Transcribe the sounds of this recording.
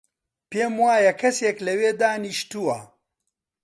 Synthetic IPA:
peːmwaːjɐkʰɐseːklɐweːd̪aːniʃt̪uwɐ̰

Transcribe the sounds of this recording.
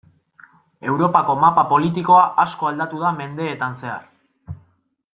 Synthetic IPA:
e̞wɾo̞pako̞mapapo̞lit̪iko̞aʔasko̞ald̪at̪uð̞ame̞nd̪e̞ːt̪anse̞a̰r

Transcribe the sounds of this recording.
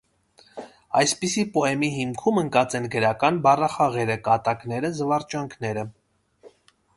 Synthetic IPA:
ɑjspisipɔɛmiɦimkʰuməŋkɑt͡sɛnɡəɾɑkɑnbɑrɑχɑʁɛɾəkɑt̪ɑknɛɾəzəvɑrt͡ʃɑŋkʰnɛɾə

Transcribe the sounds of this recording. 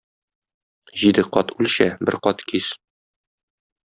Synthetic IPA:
ʑid̪ɘqɒt̪ʉlʲɕæbɘɾqɒt̪kis

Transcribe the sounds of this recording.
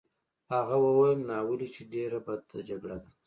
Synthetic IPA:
haɣawəwajəmnɑwəlit͡ʃeɖeɾabad̪̚t̪ad͡ʒaɡɽad̪a

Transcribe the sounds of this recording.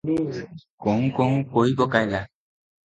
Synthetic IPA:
kɔŋkɔŋkoibɔkajla

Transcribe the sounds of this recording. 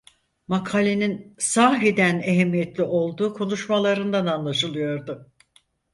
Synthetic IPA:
makʰalʲeninsaːɦid̪æneɦɛmːijet̪lʲiʔo̞lˠd̪uːkʰo̞nuʃmalˠaɾɯnd̪ananlˠaʃɯlˠɯjo̞ɾd̪ʊ

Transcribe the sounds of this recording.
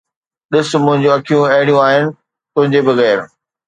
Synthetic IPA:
ɗɪsʊmʊ̃ɦɪ̃ɲd͡ʑũɐkʰijũɐɦɪɽijũaːɦɪnɪ̆ | t̪ʊ̃ɦɪ̃ɲd͡ʑebɐɣɛːɾ

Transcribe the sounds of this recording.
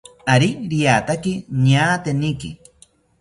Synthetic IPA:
aɾiɾijat̪akiɲaːt̪enikḭ

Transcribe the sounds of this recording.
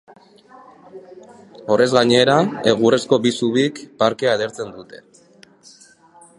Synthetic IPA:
o̞re̞zɣaɲe̞ɾae̞ɣ̞ure̞sko̞bisuβikpaɾke̞aðe̞ɾt͡se̞nd̪ut̪e̞̥

